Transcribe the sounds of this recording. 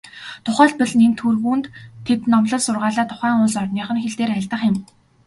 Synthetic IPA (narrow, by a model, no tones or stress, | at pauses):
t̪ʰʊχæːɮpə̆ɮnent̪ʰxurɣuːnt̪ʰːet̪nɔmɮɞ̆ɮsʊrʁaːɮaːt̪ʰʊ̥χæːŋʊnsɔrniːχə̆nxeɮt̪eːɾæɮt̪ə̆χɪ̆m